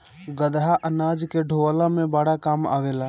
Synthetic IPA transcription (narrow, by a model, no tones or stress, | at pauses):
ɡəd̪ɦaʔənaːd͡ʒkeɖʱoʋlamẽbaɽakaːma̰ːʋela